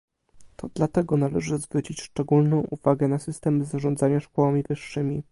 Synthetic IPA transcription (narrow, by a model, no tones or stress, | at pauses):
t̪ɔd̪̥lat̪ɛɡɔnalɛʐɘzvɾut͡ɕit͡ɕʂt͡ʂɛɡulnɔ̃w̃ʔuv̥aɡɛnasɘst̪ɛmzaʐɔnd̪zaɲaʂkɔwamʲivɘʂːɘmʲi